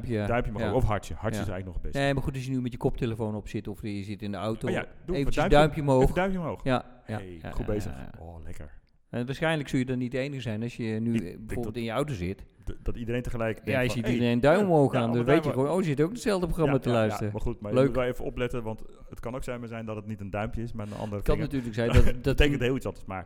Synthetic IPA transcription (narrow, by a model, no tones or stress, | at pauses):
pjdœɥmpjmoɔfɦaɹtjəhaɹɪsɛjɣləknɔχbneːmarxutɔsjənymɛtjəkɔp̚tʰeləfownɔpsɪtɔfjəzɪtɪndəawtoadevdœɥmpjəomɦoːfdœɥmpjmoxja | aḛχubezə̰oːlɛkə̰ɹ | ɛʋaːrsxɛjnləksølˠjədɔniteːnəxsɛjnɔsjənybɛjforbbɪlˠtɪnjəɔwtozɪt | dɔtidəɾejntəχəlɛjkɛjaɔsjədidərenədœɥmmoːxaːndɔnʋejtjəxʋoːnoːzɪtəowkətsɛlˠdəp̬roxramatəlœɥstərəmaχutmaløːuɛlˠevəɔplɛtəʋɑnt | ətkɑnowksɛjmazɛjndɔtətnitəndœɥmpjəɪsmaːənɑ̰ndəəkɔnːatyːrləksɛjndɔtdɔtətekkntɦɪːlˠitsʋɑtətma̰ːk̚